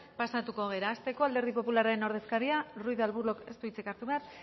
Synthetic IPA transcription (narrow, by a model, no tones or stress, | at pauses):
pasat̪uko̞ɣe̞ɾaːst̪e̞ko̞ald̪e̞ɾðipo̞pulaɾaeno̞ɾðe̞skaɾiarujðalβuɾlo̞ke̞st̪uit͡sikaɾt̪uβear